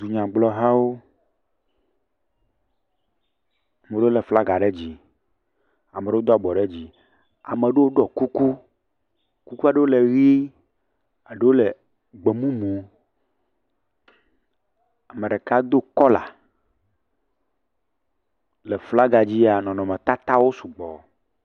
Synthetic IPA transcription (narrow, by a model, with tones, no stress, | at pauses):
du˨ɲã˨ɡ͡blɔ˦ɦã˦wo˦˨ | me˨ɖe˦o˦le˨fla˦ɡa˨ɖe˦d͡ʑi˦ | a˨me˨ɖe˦o˦d̪a˨ɡ͡bɔ˨ɖe˦d͡ʑi˨ | a̰˨mẽ˨ɖe˦wo˦ɖɔ˨ku˦ku˦ | ku˦ku˦a˨ɖe˦wo˦le˨ɣi˦ | a˨ɖe˦wo˦le˨ | ɡ͡be˨mũ˦mũ˨˦ | a˨mẽ˨ɖɛ˨ka˦d̪o˦kɔ˦la̰˨ | lɛ˨fla˦ɡa˨d͡ʑi˦a˨nɔ̃˨nɔ̃˨mɛ̃˨t̪a˦t̪a˦wo˦su˨ɡ͡bɔ˨